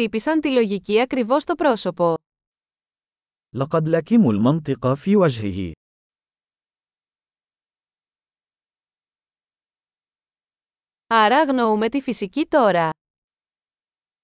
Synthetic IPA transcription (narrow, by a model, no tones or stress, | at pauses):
ipisɐnt̪ilo̞ʝiciɐkɾivo̞st̪o̞pɾo̞so̞po̞ | lɑqɑd̪lakimulmɑnt̪ˤɨqɑfiːwad͡ʒɦɪ̰hɪ̰ | ɐɾɐɣno̞ume̞t̪ifisicit̪o̞ɾɐ